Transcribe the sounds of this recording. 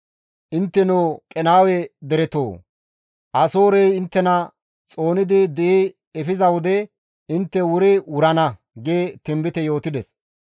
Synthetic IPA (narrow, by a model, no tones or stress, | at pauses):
ʔɪnt̪ːɛnokʼɛnaːwɛd̪ɛɾɛt̪o̰ː | ʔɐso̞ːɾɛjɪnt̪ːɛnɐ | t͡sʼo̞ːnɪd̪ɪd̪ɛʔeː | fɪzɐwɔd̪ɛ | ɪnt̪ːɛwʊɾɪwʊɾɐnɐ | ɡeːt̪ɪmbɪt̪ɛjo̞ːt̪ɪd̪ɛs